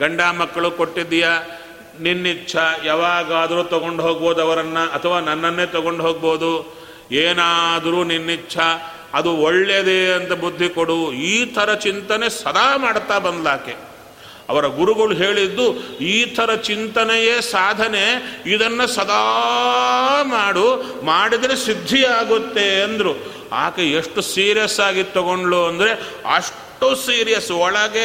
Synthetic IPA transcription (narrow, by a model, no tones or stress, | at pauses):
ɡɐɳɖaːmɐkːɐɭukoʈːid̪ːija | ninːit͡ʃːʰɐjaːʋaːɡaːd̪ɐɾuːt̪ɔɡo̞ɳɖɦoːɡ̚boːd̪uɐʋɐɾɐnːɐʔɐt̪ʰɐʋaːnɐnːɐnːeːt̪ɔɡo̞ɳɖɦoːɡ̚bo̞ːd̪u | eːnaːd̪ɐɾuːninːit͡ʃʰɐ | ɐd̪uɔɭːed̪eɐnt̪ɐbud̪ʱːikoɽuiːt̪ʰɐɾɐt͡ʃint̪ɐnesɐd̪aːmaːɽt̪aːbɐnd̪laːke | ɐ̰ʋɐɾɐɡuɾuɡɐɭuɦeːɭid̪ːuiːt̪ʰɐɾɐt͡ʃint̪ɐnɛjeːsaːd̪ʱɐneid̪ɐnːɐsɐd̪ʱa | maːɽu | maːɽid̪ɾesid̪ʱːiaːɡut̪ːe̞ɐnd̪ɐɾu | a̰ːkeeʂʈusiːɾijɐsaːɡit̪ɔɡoɳɖɭoːɐnd̪ɐɾe̞ɐ̰ʂ | ʈosiːɾijɐsɔɭɐɡe